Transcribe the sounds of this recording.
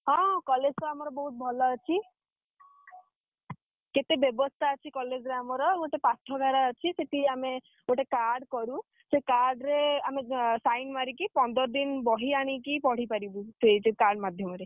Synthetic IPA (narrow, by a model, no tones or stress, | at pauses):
ɦɔ̃kɔled͡ʒɾeamɔɾɔbɔɦut̪̚bʱɔlɔːt͡ʃʰi | ket̪ebjɔbɔst̪ʰaɔt͡ʃʰikɔled͡ʒɾeamɔɾɔoʈepat̪ʰɔɡʱaɾaːt͡ʃʰiseʈiame | ɡoʈekaɾɖkɔɾu | sekaɾɖɾeamesajnmaɾikipɔnd̪ɔɾɔd̪inbɔɦiaɽ̃ikipɔɽ̤ipaɾibuset͡ʃekaɾɖmad̪ʱjɔmɔɾe